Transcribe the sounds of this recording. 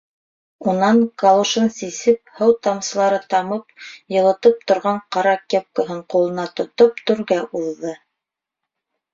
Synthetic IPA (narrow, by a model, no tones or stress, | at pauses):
unɑɴkalˠoʃɤnsisɘp̚hɤwt̪ɑmsɤ̆lˠɑɾɤt̪ɑmɤp̚jɤ̆lˠɤ̆t̪ɤp̚t̪ŏɾʁɑɴqɑɾɑkep̚kŏɦɤɴqulˠɤ̆nɑt̪ŏt̪op̚t̪ɵ̆ɾɡæʔuðːɤ